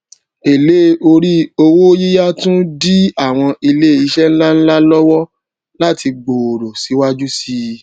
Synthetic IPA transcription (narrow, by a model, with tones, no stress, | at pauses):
e˨le˨˦o˧ɾi˦o˧wo˦ji˦ja˦tũ˦di˦a˦˨w̃ɔ̃˧ʔi˧le˦˨i˧ʃɛ˦n̩˦la˦n̩˦la˦lɔ˦wɔ˦ | la˦ti˧ɡ͡bo˨o˨ɾo˨si˨˦wa˦d͡ʒu˦si˧